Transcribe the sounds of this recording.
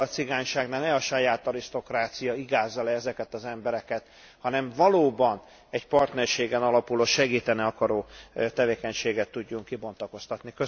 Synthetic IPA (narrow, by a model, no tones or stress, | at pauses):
ɒt̪siɡaːɲʃaːɡnaːlnɛɒʃɒjaːt̪ɒɾiʃt̪o̞kraːt̪sijɒiɡaːzːɒlɛɛzɛkɛt̪ɒzɛmbɛɾɛkɛt̪ | hɒnɛɱvɒloːbɒn | ɛcpɒrt̪nɛrʃeːɡɛnɒlɒpuloʃɛɡiːt̪ɛniɒkɒɾoːt̪ɛveːkɛɲʃeːɡɛt̪ːuɟːuŋkːibont̪ɒko̞st̪ɒt̪nikø